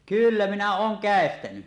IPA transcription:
kylːæ minæ oːŋ kæˑestæny

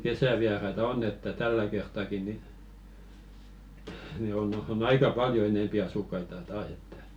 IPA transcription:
kesæʋiɑrɑitɑ onː etːæ tælːæ kertˑɑˑki ni ni on on ɑikɑ pɑljo eneˑmpi ɑsukːɑitɑ tɑːs etːæ̥

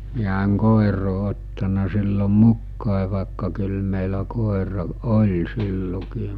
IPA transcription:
miæ eŋ koˑiroː otːɑnɑ silːo mukːɑˑe ʋɑˑekːɑ kyl meˑilæ koˑerɑ olʲ silːokiːm

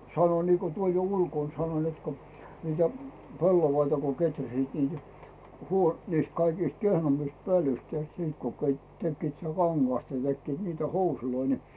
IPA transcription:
sɑno niːko tuol jo ulkoˑn sɑnoĭn net ko niːtæ pelːoʋɑitɑ ko ketræsiːt niːtæ huo niːst kɑikiːst kehnomːist pølyst tehtiː sit ko ket tekːiːt sĭtæ kɑŋɡ̊ɑstɑ nĭ tekːiːt niːtæ housuloi ni

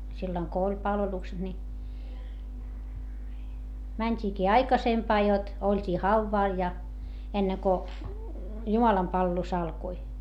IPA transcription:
silːoŋ ko olʲ pɑlʋelukset ni mænʲtʲiːkiː ɑikɑsempɑː jot olʲtʲiː hɑuʋːɑˑl jɑ enːeŋ ko jumɑlɑmpɑlʋelus ɑlkoi

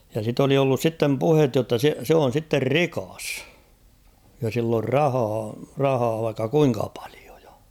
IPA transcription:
jɑ sit oli olːus sitːem puhet jotːɑ se se on̞ sitːer rikɑs jɑ silː or rɑhɑː rɑhɑː ʋɑikːɑ kuiŋkɑ pɑ̥l̥i̥o̥ j̊ɑ̥

